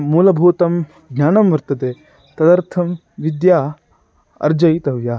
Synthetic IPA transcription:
muːlɐbʱuːt̪ɐm | ɡnʲaːnɐmʋɐɾt̪ɐd̪eː | t̪ɐd̪ɐɾt̪ʰɐm | ʋid̪jaː | ɐ̰ɾd͡ʒɐjt̪ɐʋjaː

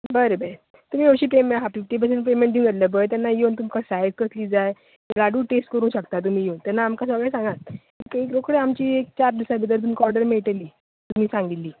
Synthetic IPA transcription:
bəɾebəɾe | t̪um̤iːəɕiːpemeɦafifʈiːp̬əs̬enpemẽɳdiũŋɡəɾləbəjt̪janːajewnt̪̬umkasajskəsliːd͡zaj | blaɽuːʈesʈ̚kəɾũːɕəkt̪at̪̬um̤iːjent̪ɛnːaːmkasəɡɭɛsãŋɡat̪̚ | ekekɾokɽeamt͡ɕiːek̚t͡ɕaɾd̪isabʱit̪əɾt̪um̤ikɔɾɖəɾmieɭʈeliː | t̪um̤iːsãŋɡilːiː

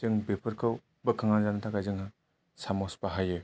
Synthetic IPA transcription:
ɯŋbepʰɯɾkʰɯw | bɯkʰaŋanzanɯtʰakajzɯŋɦa | samɔspaɦajɯ

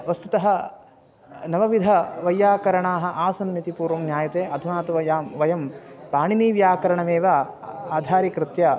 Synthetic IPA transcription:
ʋɐst̪ut̪ɐɦɐ̆ | nɐʋɐʋid̪ʱɐʋɐjaːkɐɾɐɳaːɦɐ̆ʔaːsɐnmit̪ipuːɾʋɐmnjaːjɐt̪eːʔɐd̪ʱunaːt̪ɐʋɐjaːmʋɐjɐmpaːɳiniːʋjaːkɐɾɐɳɐmeːʋaaːd̪ʱaːɾikɾɪt̪jɐ

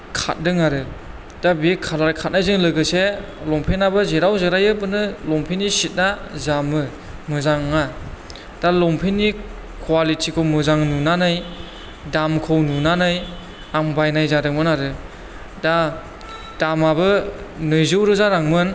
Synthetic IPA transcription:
kʰa̰t̚dɯŋaɾɯ | d̥abikʰalaɾkʰat̚najzɯŋlɯɡɯse | lɔŋpʰenabɯzeɾawzeɾajɯbɯnɯlɔŋpʰinːisit̚nazamɯ | mɯzaŋːa | d̥alɔmpʰenːi | kʰwalitʰikʰɔmɯzaŋnunanaj | damkʰɯwnunanaj | aŋbajnajzadɯŋmɯnaɾɯ | da | d̥amabɯnɯjzɯwɾɯzaɾaŋmɯn

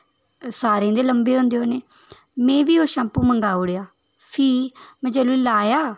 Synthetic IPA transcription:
saːɾẽːd̪eːləmbeːɦõːnd̪eːɦoːneː | mɛ̃ːʋiːoːʃãmpuːməŋɡaːʊːɽeːaː | pʰiːmɛ̃ːd͡ʒɛːluːlaːjaː

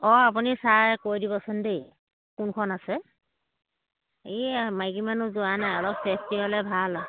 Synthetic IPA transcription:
ɔap̬unisaɹkoɹdibɔsɛndej | kunkʰɔnasɛ | emajkimanuzʊanajɔlɔp̚sɛstiɦɔlɛbʱal

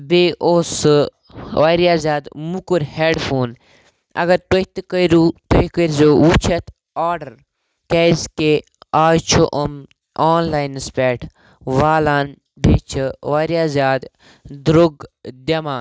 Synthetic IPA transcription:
beːʔoːsɨ | ʋaɾjaːzʲjaːd̪mukuɾheːɖfʰoːn | ɐ̰ɡɐɾt̪oht̪ɨkəiɾuːt̪oikəɾzoːwut͡ʃʰɐt̪ | aːɾɖɐɾ | keːzke | aːjt͡ʃʰoʔɐm | aːnlaːjnɨspʲeːʈ | ʋaːlaːn | beːt͡ʃʰɨʋaːɾjaːzʲjaːd̪ | d̪ɾoɡd̪ɐmaː

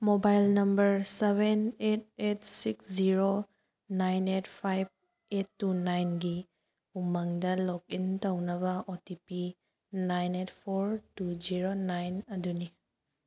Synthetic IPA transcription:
mobajlnɐmbɐɾseβenet̚et̚siksziɾo | najnetpʰajb̚ | etːunajnɡi | umaŋdɐlɔkintɐwnɐbɐʔotipi | najnetpʰoɾtud͡ʒiɾonajnɐduni

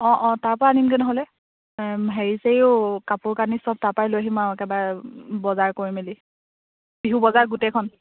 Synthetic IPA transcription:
ɔ̃ʔɔ̃taɹpɔɹaanimkɛnɔɦɔlɛ | ɦeɹisejʊkapʊɹkanisɔb̚taɹpajlojaɦimaɛkɛbabɔzaɹkoɹimeli | biɦubɔzaɹɡutɛkʰɔn

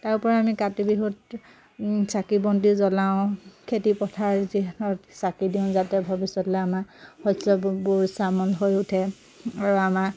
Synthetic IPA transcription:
taɹupɔɹamikatibiɦut | sakibɔntizɔlaʊ̃kʰetipɔtʰaɹziɦtʰɔtsakidiʊ̃zatɛbʱɔbisɔtlɔamahɔsɔbuɹsamɔlɦojutʰɛ | aɹuama

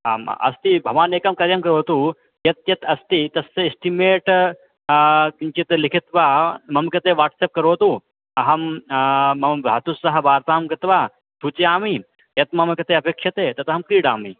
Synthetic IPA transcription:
aːɐ̰st̪ibʱɐʋaːneːkɐmkɐɾjɐmkɐɾoːt̪uː | jɐt̪jɐt̪ɐst̪it̪ɐseisʈimeːʈ | kint͡ʃit̪likʰit̪ʋaːmɐmkɐt̪eʋaːʈseːp̚kɐɾoːt̪uː | ɐɦɐmː | ɐmbʱa̰ːt̪usːɐɦɐ̆ʋaːɾt̪aːmkɐt̪ʋaː | t̪ʰut͡ʃeaːmi | jɐt̪mɐmkɐt̪eːɐpeːkʂjɐt̪eːt̪ɐt̪ɐɦɐmkɾiːɽaːmi

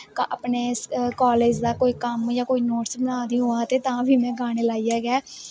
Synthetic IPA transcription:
kːʔəpneːskaːleːd͡ʒd̪aːkoːiːkəmjãːkoːiːnoːʈsbənaːd̪ĩːɦoːãːt̪eːt̪ãːʋʱiːmɛ̃ːɡaːɽ̃eːlaːiːɛːɡɛː

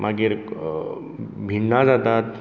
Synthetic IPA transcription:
mʔaɡiɾ | bʱiɳːad͡zat̪at̪

